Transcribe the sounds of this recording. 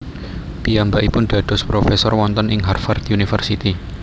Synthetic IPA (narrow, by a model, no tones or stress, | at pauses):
piambaʔipʊnɖ̪̥ä̤d̪̥ɔ̤spɾofɛsɔrwɔnt̪ənʔɪŋɦarfard̪unifərsit̪i